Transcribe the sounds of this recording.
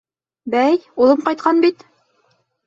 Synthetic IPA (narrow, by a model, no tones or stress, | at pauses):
bæjulˠɤmqɑjt̪̚qʰɑnbit̪